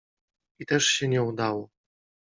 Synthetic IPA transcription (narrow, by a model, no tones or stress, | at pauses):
it̪ɛʂɕɛɲɛud̪awɔ